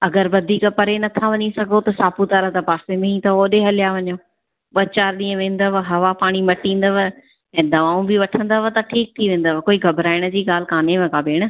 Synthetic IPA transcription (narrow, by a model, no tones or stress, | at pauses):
ɐɡəɾʋɐd̪ʱiːkəpɐɾenɐt̪ʰaʋɐɲisɐɡʱot̪ɐsaːput̪aɾət̪ɐpaːsemẽĩt̪ɐoːɗeɦɐlɪjaʋɐɲoː | ɓɐt͡ɕaːɾɗĩːə̃ʋẽːn̆d̪əʋəɦɐʋapaːɽ̃imɐʈĩːn̆d̪əʋə | ɛ̃ːd̪ɐʋaːũbɪʋɐʈʰə̃nd̪əʋət̪ɐʈʰiːk̚t̪ʰiʋẽːn̆d̪əʋkoːiɡʱɐbɾaːɪɽ̃əd͡ʑiːɡaːl̤ɪkaːnemẽkaːbeːɽ̃ə̆